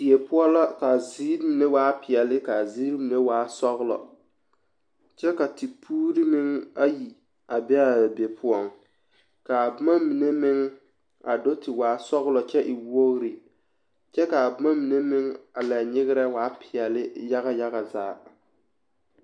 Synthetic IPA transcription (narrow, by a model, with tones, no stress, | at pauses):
di˨e˨pʊ˦ɔ˦la˦ka˨ziː˦ɾmi˨ne˦waː˦pɪ˨ɛ˨lɪ˦ka˨ziː˦ɾmi˨ne˦waː˦sɔ˦ɣlɔ̰˨ | t͡ʃɛ˦ka˨ti˨pʰuː˦ɾi˦mɪ˦ŋa˦ji˨ | a˨bɛ˦a˨be˨pʰʊ˦ɔ˦˨ŋ | ka˨bʊ˦ma˦mi˨ne˦mɪ˦ŋ | a˨do˦tɪ˨waː˨˦sɔ˦ɣlɔ˨t͡ʃɛ˦ʔɪ˨wo˦ɣɾi˨ | t͡ʃɛ˦ka˨ba˦ma˦mi˨ne˦mɪ˦ŋa˨la˨ɲɪ˦ɣɪ˦ɾɛ˦waː˨˦pʰɪ˨ɛ˨lɪ˦ja˦ɣa˦ja˦ɣa˨zaː˦